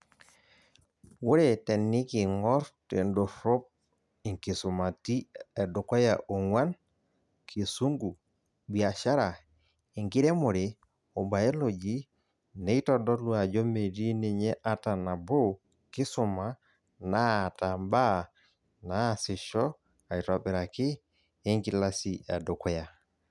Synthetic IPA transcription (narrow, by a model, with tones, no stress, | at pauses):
wo˦ɾe˦˨tɛ˨nːɪ˦kɪ˨ŋɔ˦ɾte˨ndo˨ɾo˦p̚ | i˨ŋki˨sʊ˨ma˨ti˦ɛ˨dʊ˨kwa˦ja˨ʔo˨ŋwa˦n | kʰi˨su˦ŋɡu˨ | bi˨a˨ʃa˦ɾa˨ | e˨ŋɡɪ˦ɾe˦mo˨ɾe˨ | o˨ba˨e˦lo˨d͡ʒi˦ | ne˨i˦tɔ˦dɔ˦lu˦a˨d͡ʒɔ˦me˨di˦ne˨ɲɛ˦ʔa˦ta˨na˨bo˦ | kɪ˦sʊ˨ma˨ | na˦˨ta˨mba˦ | na˦˨sɪ˨ʃɔ˦ | a˨i˨tɔ˨ɓɛ˨ɾa˨kɪː˦ | ŋki˦la˦si˨a̰˨dɔ˨kɔ˦ja˨